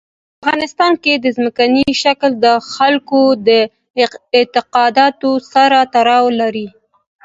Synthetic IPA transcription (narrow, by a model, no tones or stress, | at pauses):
afɣɑnɪst̪ɑnked̪əzməkaniʃakld̪əxalkod̪ə | ɪt̪ɪqɑd̪ɑt̪osaɾat̪aɾɑwlaɾi